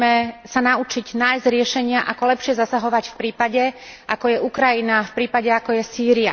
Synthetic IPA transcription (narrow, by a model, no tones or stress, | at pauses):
mɛsanaut͡ʃiɟnajzɟɾɪɛʃɛɲɪaʔakɔlɛpʃɪɛzasaɦɔʋacfpɾiːpaɟɛʔakɔjɛʔukɾajinafpɾiːpaɟɛakɔjɛsiːɾia̰